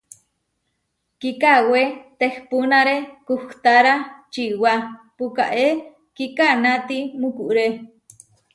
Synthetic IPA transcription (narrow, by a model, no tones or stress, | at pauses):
kikawet̪ehpunaɾekuht̪aɾat͡ʃiwapuka̰ʔe | kikanat̪imukuʔɾe